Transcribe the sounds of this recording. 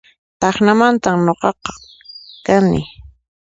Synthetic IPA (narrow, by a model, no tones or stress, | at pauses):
t̪ɑχnamant̪amnoqɑqɑ̥ | kanɪ̰